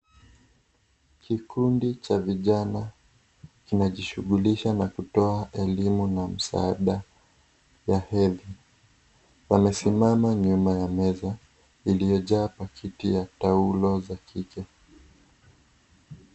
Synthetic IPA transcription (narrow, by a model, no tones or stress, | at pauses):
kʰikundit͡ʃaviʄana | kinaʄiʃuɠuliʃanakutɔaʔɛlimunam̩sa̰aɗa | jahɛði | wamɛsimamaɲumajamɛza | ilijɔʄaːpakʰitijataulɔzakʰikɛ